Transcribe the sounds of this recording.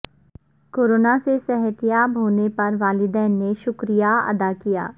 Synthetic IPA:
koːɾoːnasesɛɦət̪ijaːbɦoːnepɐɾʋaːlɪd̪ɛːnːeʃʊkɾijaɐ̰d̪aːkija̰ː

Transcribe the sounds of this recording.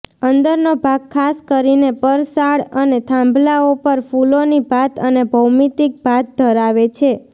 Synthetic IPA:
ənd̪əɾnobʱaɡ̚kʰːaskəɾinepəɾsaɽənet̪ʰãmbʱlaopəɾfulonibat̪ənebʱəwmit̪ik̚bat̪̚d̪ʱəɾaʋet͡ʃʰe

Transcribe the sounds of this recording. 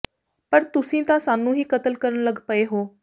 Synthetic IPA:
pəɾt̪ʊsĩːt̪ãsaːnũɦiːkɐt̪əlkəɾəɽ̃ləɡpəeɦoː

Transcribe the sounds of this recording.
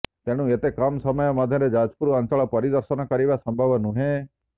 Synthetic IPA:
t̪eñũet̪ekamsəməjamad̪ʱjẽɾed͡ʒaːd͡ʒpuɾuãnt͡ʃaɭapəɾid̪əɾsənakəɾiʋasəmbʱaʋənũɦẽ

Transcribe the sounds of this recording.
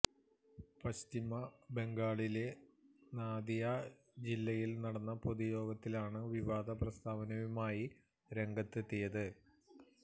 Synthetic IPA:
pɐɕt̪imɐbe̞ŋɡaːɭile̞naːd̪ija | d͡ʑilːɐjilnɐɽɐnːɐpoðujo̞ːɡɐt̪ːilaːɳɨʋiʋaːd̪ɐprɐst̪ʰaːʋɐnɐʋumaːji | ɾe̞ŋɡɐt̪ːet̪ːejɐðɨ

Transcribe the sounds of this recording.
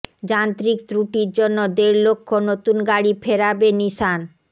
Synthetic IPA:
d͡ʑant̪ɾikt̪ɾuʈiɾd͡ʑonːod̪eɾlokʰːonot̪unɡaɽipʰeɾabeniʃan

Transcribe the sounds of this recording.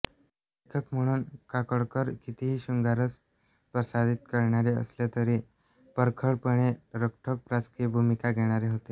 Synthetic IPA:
ekʰəkm̤əɽ̃uːnkakəɽkəɾkit̪iɦiːɕuŋɡaɾət͡s | pɾəsad̪ʱit̪kəɾɳ̃aɾeə̰slet̪əɾiː | pəɾkʰəɭpəɳ̃eɾək̚ʈʰək̚pɾat͡skibʱumikaɡʱeɽ̃aɾeɦot̪e

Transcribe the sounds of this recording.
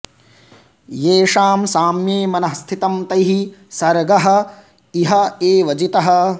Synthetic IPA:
jeːʂaːmsaːmjeːmɐnɐɦɐst̪ʰit̪ɐmt̪ɐjɦisɐɾɡɐɦɐ̆ | iɦɐeːʋɐd͡ʒit̪ɐɦɐ̆

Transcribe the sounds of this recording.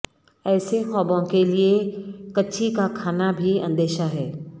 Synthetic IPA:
ɛːsexɔ̃ːbõkeliekɐtːʃʰikakʰaːnabʱiɐ̃nd̪eːʃaɦɛː

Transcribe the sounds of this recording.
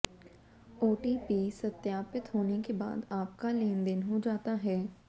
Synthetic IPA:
oːʈiːpiːsɐt̪jaːpɪt̪ɦoːnekeba̰ːd̪aːp̚kaleːnd̪ɪnɦod͡ʒaːt̪aɦɛː

